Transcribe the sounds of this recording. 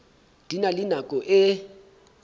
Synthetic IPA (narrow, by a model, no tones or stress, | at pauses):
d̥ʱinalinakʼɔʔɪ